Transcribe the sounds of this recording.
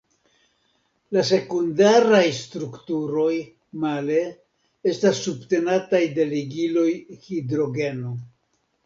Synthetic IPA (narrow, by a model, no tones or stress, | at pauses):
lase̞kundaɾajstɾuktuɾo̞j | male̞ | estasːubte̞natajde̞liɡilo̞jhidɾo̞ɡe̞no